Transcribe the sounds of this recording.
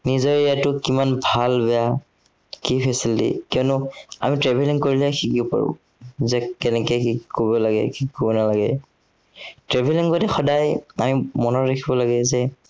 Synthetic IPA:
nizɔɹijatʊkimanbʱalbɛja | kipʰɛsildḭkiɔnʊamitɹɛbʱɛliŋkoɹilɛxikiʊpa̰ɹʊ̰̃ | zɛkɛnɛkɛkikobɔlaɡɛ̰kikobɔnalaɡɛ̰ | tɹɛbʱeliŋkotɛxɔdajamimɔnɔtɹakʰibɔlaɡɛzɛ

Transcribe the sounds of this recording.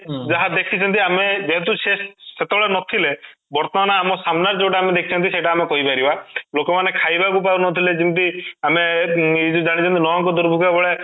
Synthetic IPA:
d͡ʒaɦãd̪ekʰit͡ʃʰɔnt̪̬iamed͡ʒeɦɛ̃t̪usesːet̪ebɔɭenɔt̪ʰile | bɔɾt̪ɔnañaːmɔsamnaɾd͡ʒoːʈaamed̪ekʰi̥t͡ʃʰɔnt̪iseʈaːmekɔɦibaɾibalokɔmanekʰajbakup̬aunɔt̪ʰiled͡ʒint̪iameid͡ʒud͡ʒaɽ̃it͡ʃʰɔnt̪inɔɔ̃ŋkɔd̪uɾbʱukabɔɭe

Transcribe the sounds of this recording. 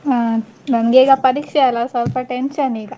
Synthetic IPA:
a | nɐnɡeːɡapɐɾiːkʂɛalasɐlpɐʈenʃɐniːɡa

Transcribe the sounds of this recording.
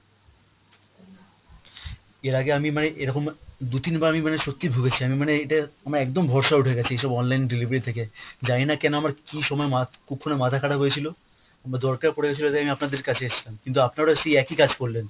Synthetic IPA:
eɾaɡeamimaneʔeɾɔkomd̪ut̪inbaamimaneʃot̪ːibʱuɡet͡ɕʰiamimaneeʈaamaɾɛkd̪ombʱɔɾʃauʈʰeɡɛt͡ɕʰiejʃɔbɔnlajnɖilibeɾit̪ʰek̬ed͡ʑajnakɛnoamaɾkiʃɔmɔemakukʰːonemat̪ʰakʰaʈaɦojet͡ɕʰilo | amaɾd̪ɔɾkaɾpoɽeɡɛt͡ɕʰiloet̪akeamiapnad̪eɾkat͡ɕʰeeʃlamkint̪̬uapnaɾaʃejɛkikad͡ʑʱkoɾlen

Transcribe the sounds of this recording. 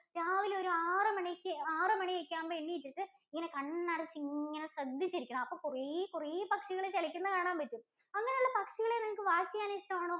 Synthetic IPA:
ɾaːʋiloɾuaːrɨmɐɳikʲːɨaːrɨmɐɳiekʲːaːnpeɳːiitːiʈːɨ | iŋːɐne̞kɐɳːɐrɐt͡ɕːiŋːɐnesrɐd̪ʱːit͡ɕːiɾikʲːuɳɐmɐpːoːkurikuripɐkʂiɣɐɭet͡ɕeɭikʲːunːɨkaːɳaːmpɐtːum | ɐŋːɐnejuɭːɐpɐkʂiɣɐɭenɐŋɐkːɨʋaːt͡ɕːijaniːʂʈɐmaːɳoː

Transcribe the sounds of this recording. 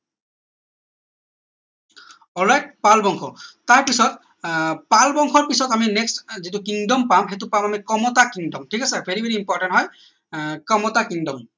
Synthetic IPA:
ɔlajt̚palbɔŋkʰɔtaɹpisɔt̚ | palbɔŋxʰɔɹpisɔtaminɛkstzitʊkiŋdɔmpamɦet̬ʊpamamikɔmɔtakiŋdɔmtʰikasɛbʱeɹibʱeɹiːmpɔɹʈantɦɔj | kɔmɔtakiŋdɔm

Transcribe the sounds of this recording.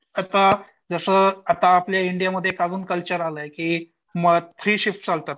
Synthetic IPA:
at̪a | d͡zəsəːat̪aːpljaiɳɖijaməd̪ʱjekaɡuːnkəlt͡ɕəɾaləjekiː | məɡt̪ʰɾiːɕifʈd͡zalt̪at̪̚

